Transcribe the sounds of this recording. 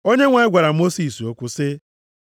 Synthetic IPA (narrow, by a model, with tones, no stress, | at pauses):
o˦ɲe˦ŋʷa˨ɪ˦ɡʷa˨ɾa˨˦mo˦si˦˨so˦kʷʊ˦sɪ˦